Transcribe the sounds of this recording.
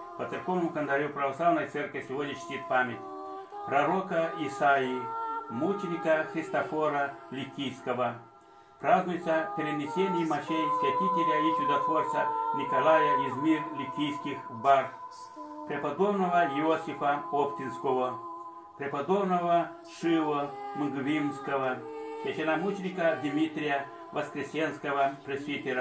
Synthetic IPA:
pət̪sɨrko̞vnəmʊkənd̪ɐɾʲupɾɐvɐslˠavnəjt̪sɛrkʲɪsʲɪvodʲnʲət͡ɕɪ̥t̪ʲit̪̚pamʲɪtʲ | pɾɐɾokɐɪsaimut͡ʃɪnʲɪkəxɾʲɪst̪ɐfoɾɐlʲɪtʲːijskəvə | pɾaznʊjt̪səpʲɪɾʲɪd̪ʲnʲɪsʲenʲɪjmɐʂejsʲjʲɐt̪ʲitʲɪlʲɐit͡ʃʊd̪ɐt̪vort̪sənʲikɐlˠajɐizmʲirlʲɪkʲːijskʲixbar | pɾʲɪpɐd̪obnəʋɐjɪosʲɪfɐopt̪ʲɪnskovə | pɾʲɛpɐd̪obnəvə | ʂɨlomɨɡvʲimskəʋɐsʲjʲɛʃɪnɐmut͡ʃɪnʲɪkɐd̪ʲmʲit̪ʲɾʲɪjɐ | vɐskɾʲɪsʲenskəvɐpɾʲesʲvʲit̪ʲɪɾɐ

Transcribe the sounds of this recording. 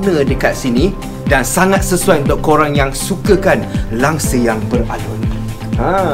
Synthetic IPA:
nə̃dəkat̪̚sinĩ | dansaŋat̪̚səsuajunt̪uʔ̚koɾaŋjaŋsukəkanlaŋsəjaŋbəralun | a

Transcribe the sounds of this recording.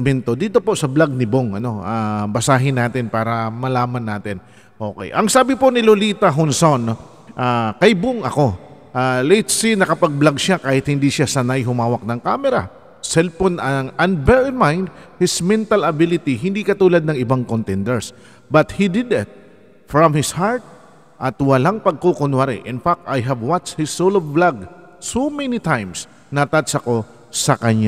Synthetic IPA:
mɛnt̪o̞d̪iːt̪o̞po̞ʔsɐblaɡ̚nɪboŋɐno̞ʔabɐsaːɦɪnaːt̪ɪnpaːɾɐmɐlaːmɐnːaːt̪ɪn | ʔo̞̰ːkɛ̰jʔɐŋsaːbɪponɪloliːt̪ɐɦonson | ʔakɐjboŋɐko̞ʔaːlɛjt̪sinɐkɐpɐɡ̚blɐɡ̚ʃakaːhɪt̪̚hɪnd̪iʃasɐnajɦʊmaːwɐk̚nɐŋkaːmɛɾɐ̰ | sɛlponɐŋɐ̃nbɛɹɪmãjnd̪̚hɪsmɛ̃nt̪ɐlɐbɪlɪt̪iɦɪnd̪iːkɐt̪uːlad̪̚nɐŋɪbaŋkont̪ɛnd̪ɛɹs | bɐt̪̚hid̪ɪd̪ɪt̪̚ | fɹɔmhɪshaɹt̪̚ | ʔɐt̪wɐlaŋpɐɡ̚kokʊnwaɾɪ̰ʔɪ̃nfak̚t̪ajɦɐvwat͡ʃhɪsːowlɔvblaɡ | sowmɛnit̪ãjms | nɐt̪at̪sɐko̞ | sɐkɐɲa

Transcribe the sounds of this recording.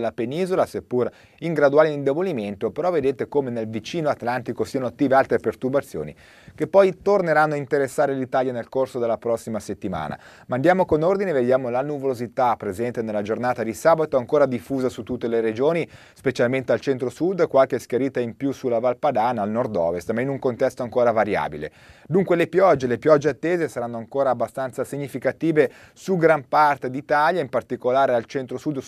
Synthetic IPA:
lapeniːzolasepːur | iŋɡɾad̪uaːliind̪eboliment̪opeɾɔved̪eːt̪ekomenelvit͡ʃiːnoat̪lant̪ikosiːanot̪ːiːvealt̪ɾepert̪urbat̪sːjo̰ːnḭ | kepːɔjt̪orneɾanːoaint̪eɾesːaːɾelit̪aːljanelkorsod̪elːapɾɔsːimaset̪ːima̰ːna̰ | mand̪jaːmokonord̪ineved̪jaːmolanuvolozit̪apːɾezɛnt̪enelːad͡ʒornaːt̪ad̪isaːbat̪oaŋkoːɾad̪ifːuːzasut̪ːut̪ːeleɾed͡ʒoːni | spet͡ʃalment̪ealt͡ʃɛnt̪ɾosud̪ːkwalk̟esk̟eɾiːt̪aimpjusulːavalpad̪aːnaːlnord̪ɔ̰ːvest̪mainuŋkont̪ɛst̪oaŋkoːɾavaɾja̰ːbilḛ | d̪uŋkwelepjɔd͡ʒːelepjɔd͡ʒːeat̪ːeːzesaɾanːoaŋkoːɾaːbːast̪ant̪sasiɲːifikat̪iːve | suɡɾampart̪ed̪it̪aljaimpart̪ikolaːɾealt͡ʃɛnt̪ɾosud̪ː

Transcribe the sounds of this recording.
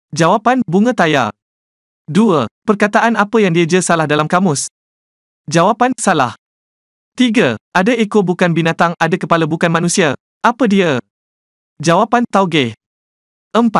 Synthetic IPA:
d͡ʒawapanbuŋə̃t̪aja̰ | duəpərkat̪aʔanapəjaŋdiad͡ʒəsalahdalamkamʊs | d͡ʒawapansala̰h | t̪iɡaʔadaʔekobukanbinãt̪aŋadakəpalabukanmãnũsia | ʔapədiə | d͡ʒawapant̪awɡɛ | ʔəmpat̪̚

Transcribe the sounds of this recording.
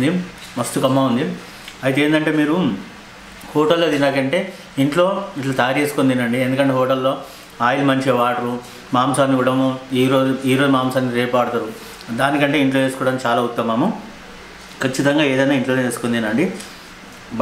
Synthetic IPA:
d̪i | mɐst̪ukɐmːaːund̪i | ɐjɐt̪eːnd̪ɐɳʈe̞ːmiːɾu | hɔːʈɐlːoːd̪inaːkɐɳʈe̞ː | iɳʈlo̞ːiʈlat̪ɐjaːɾe̞ːsu̥kond̪inɐɳɖiend̪ukɐɳʈeːɦɔːʈɐlːo̞ː | aːjilimɐɲt͡ʃeʋaːʈɐɾu | maːmsaːnːiʋuɽɐmoiːɾoːuiːɾod͡ʒumaːmsaːniɾeːpaːɽɐt̪ɐɾu | d̪aːnikɐɳʈe̞ːiɳʈlo̞ːe̞ːsu̥kɔːɽɐmt͡ʃaːlaːut̪ːɐmːaːmɐm | kɐt͡ʃːit̪ɐŋɡaːe̞ːd̪ɐjnaːiɳʈloːneeːsukond̪inɐɳɖi | b

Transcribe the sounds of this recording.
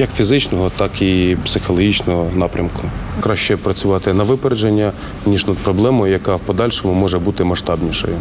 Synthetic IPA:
jɐkfʲizɪt͡ʃnɔɦɔt̪ɑkipsɪxɔlˠɔɦit͡ʃnɔɦɔnɑpɾʲɐmkʊkɾɑʃt͡ʃɛpɾɐt͡sʲʊʋɑt̪ɪnɐʋɪpeɾed͡ʒenʲːɐ | nʲiʃnɐd̪̚pɾɔblˠɛmɔjjɐkɑwpɔd̪ɑlʲʃɔmʊmɔʒɛbut̪ɪmɐʃt̪ɑbnʲiʃɔ̰jʊ

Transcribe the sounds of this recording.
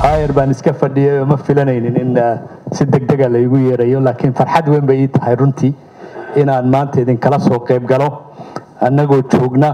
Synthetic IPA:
haːjɛrbaːnɪskʰɐfɐɖɪjɛjɔmɐfɪlɐnɛjnɪnɪnsɪd̪ɐɡ̚d̪ɐɣɐlɐɪɣʊjɛːɾɐjɔlaːkʰɪnfɐrħɑd̪wɛmbɛjit̪ʰɐ̥ɦɛjrʊnt̪ʰi | ɪnaːnmaːnt̪ʰɐɪðɪŋkʰɐlɐsɔːqɛjb̚ɡɐlɔ | ʔɐnɐɣɔːt͡ʃɔːɡnɐ

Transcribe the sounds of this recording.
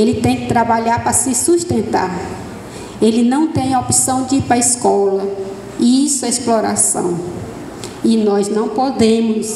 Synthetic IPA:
elɪt̪ẽj̃kɪt̪ɾabaʎaɾpɾɐsɪsuʃt̪ẽnt̪a̰ɾ | elɪnɐ̃w̃t̪ẽj̃opi̥sɐ̃w̃d͡ʒipɾɐiskɔlɐ | isʊɛɛsplɔɾa̰sɐ̰̃w̃ | ɪnɔznɐ̃w̃pod̪ẽmʊs

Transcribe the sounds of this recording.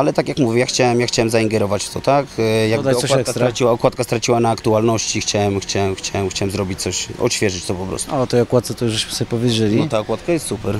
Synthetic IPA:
alɛt̪akʲjakmuvʲɛjaxt͡ɕawɛmjaxt͡ɕawɛmzaiŋɡɛɾɔvat͡ɕt̪ʰɔt̪akjaɡbd̪aɔkɔwaɛkast̪t̪ɾat͡ɕiwaɔkwat̪̚kast̪ɾat͡ɕiwanaːkt̪ualnɔɕt͡ɕixt͡ɕawɛmxt͡ɕawɛmxt͡ɕawɛmxt͡ɕawɛmzɾɔbʲit͡ɕt̪sɔɕɔ̰ɕfʲjɛʐɘt͡ɕt̪ɔpɔpɾɔ̰st̪uɔt̪ɛjɔkwat̪sɛt̪ɔjuʒbɨɕmɘ̥sɔbʲpɔvʲjed͡ʑelʲinɔt̪aɔkwat̪̚kajɛst̪supɛɾ

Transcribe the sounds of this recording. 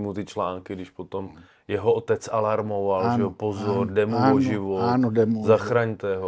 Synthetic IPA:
mut̪ɪt͡ʃlaːŋkɪɡdɪʃpot̪om | jɛɦoot̪ɛt͡salaɾmovalʒɛopozoɾdɛmuoʒɪvonodɛmuzaxɾaɲt̪ɛːɦo

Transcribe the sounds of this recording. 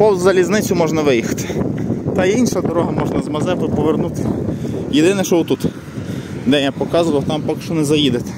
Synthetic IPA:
pɔwzɐlʲiznɪt͡sʲʊmɔʒnɐʋɪjixɐ̥t̪ɪ̥t̪ɐiinʃɐd̪ɔɾɔɦɐmɔʒnɐzmɐzɛwɐpɔʋernut̪ɪ̥jed̪ɪnɛʃt͡ʃɔʋʊt̪ut̪ | d̪ɛnʲjapɔkɑzʊʋɐwt̪ɑmpɔkɪ̥ʃt͡ʃɔnɛzɐjid̪et̪ɛ̥

